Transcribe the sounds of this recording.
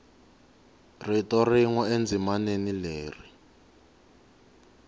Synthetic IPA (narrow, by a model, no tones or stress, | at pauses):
ritɔriŋɔend͡zʱimanenileːri